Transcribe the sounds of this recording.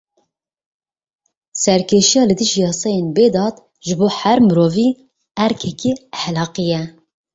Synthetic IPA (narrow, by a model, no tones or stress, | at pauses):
sɛɾkʰeːʃijɑːlɨd̪ɨʒijɑːsɑjeːnbeːd̪ɑːt̪ | ʒɨboːhæɾmɨɾoːviː | æɾkʰɛkiːæħlɑːqɨjɛ